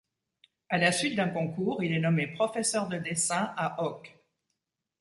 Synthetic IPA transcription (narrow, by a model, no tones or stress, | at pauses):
alasɥit̪̚d̪ɛ̃kɔ̃kuʁilɛnɔmepχɔfɛsœʁd̪əd̪esɛ̃aʔɔk